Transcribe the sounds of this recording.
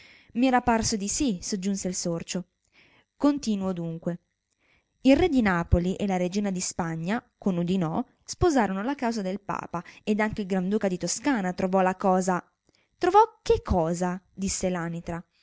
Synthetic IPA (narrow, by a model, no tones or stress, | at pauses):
miɛɾaparsod̪isisod͡ʒːunseilsort͡ʃo | kont̪iːnuod̪uŋkwe | ilrɛd̪inaːpoliʔelaɾed͡ʒiːnad̪ispaɲːakonud̪inɔ | spozaːɾonolakawzad̪elpa̰ːpaed̪aŋkeilɡɾand̪uːkad̪it̪oskaːnat̪ɾovɔlakɔːza | t̪ɾovɔk̟ːekʰːɔːza | d̪isːelaːnit̪ɾa